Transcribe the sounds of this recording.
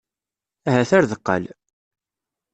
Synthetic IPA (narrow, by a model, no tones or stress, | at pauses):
æɦæθæɾðəqːə̰l